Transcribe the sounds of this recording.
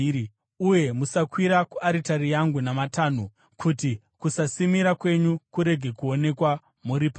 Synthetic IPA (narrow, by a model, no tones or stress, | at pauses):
uje̞musakwiɾakuʔaɾitarijaŋɡunamataːnu | kʰuti | kusasimiɾakwe̞ɲukuɾe̞ɡʱe̞kuo̞ne̞kwa | muɾipa